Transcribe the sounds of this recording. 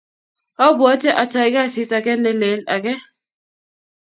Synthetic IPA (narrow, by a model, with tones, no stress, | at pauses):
a˦ba˨˦tɛ˦ʔa˨ta˨i˨˦ka˦˨si˨˦ta˨kɛ˦nɛ˦le˨˦la˨kɛ˦